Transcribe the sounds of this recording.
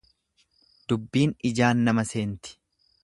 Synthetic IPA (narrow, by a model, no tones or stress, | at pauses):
d̪̥ʊbːiːnɪd͡ʒaːnːɐmɐse̞ːnt̪ɪ̥